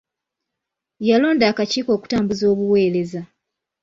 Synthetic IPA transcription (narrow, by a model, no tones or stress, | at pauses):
jalo̞ːndaːkaciːko̞ːku̥taːmbuzo̞ːβuwe̞ːɾe̞za